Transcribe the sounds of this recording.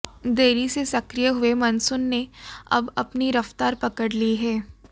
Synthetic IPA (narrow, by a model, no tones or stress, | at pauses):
d̪eːɾisesɐkɾijəɦʊemɐnsʊnːeɐ̰bɐpniɾɐft̪aːɾpɐkəɽliɦɛː